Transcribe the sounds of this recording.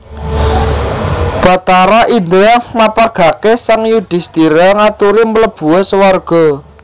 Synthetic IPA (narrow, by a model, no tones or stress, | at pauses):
b̥a̤t̪aɾaʔind̪ɾahmapaɡ̥a̤kesaŋjud̪̥i̤st̪iɾaŋat̪uɾimələb̥ṳɛsəwarɡ̥ɔ̤